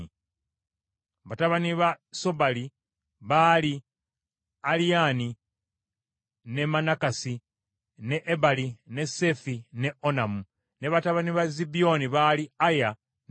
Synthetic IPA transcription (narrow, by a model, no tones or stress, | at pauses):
βataβaniβaso̞bali | βali | aliani | ne̞manakasi | ne̞ʔːbaline̞se̞fine̞onamu | ne̞βataβaniβazibio̞niβaliaja